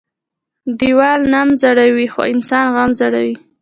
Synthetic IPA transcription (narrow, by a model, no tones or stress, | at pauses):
d̪iwɑlnamzaɽawixo̰ɪnsɑnɣamzaɽawi